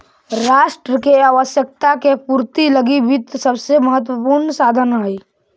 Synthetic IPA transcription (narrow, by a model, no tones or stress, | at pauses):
ɾaːʃʈɾəkeaːʋəʃjək̚t̪akepuɾt̪iləɡibɪt̪səbseməɦət̪̬wəpuɾnsaːd̪ʱənɦai